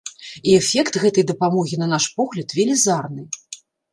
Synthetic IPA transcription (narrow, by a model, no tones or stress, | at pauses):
iɛfʲɛkt̪ɣɛt̪ɐjd̪ɐpamɔɣʲinɐnaʂpɔɣlʲɐt̪vʲɛlʲizarnɨ